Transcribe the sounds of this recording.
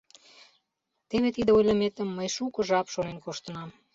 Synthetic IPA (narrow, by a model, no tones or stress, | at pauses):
t̪eβet̪id̪eojlʲɑmet̪ə̆mːəjʃukə̆ʒɑpʃonenkoʃt̪ə̆nɑm